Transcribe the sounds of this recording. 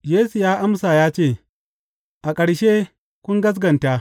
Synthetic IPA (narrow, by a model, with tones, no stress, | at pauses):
jeː˦su˨jaː˦ʔa˦msaː˨jaː˦t͡ʃeː˦˨ | ʔa˨kʼɐ˨ɽʃeː˦ | kʷʊ˦ŋɡɐ˦s̬ɡɐ˨nta˦ʔ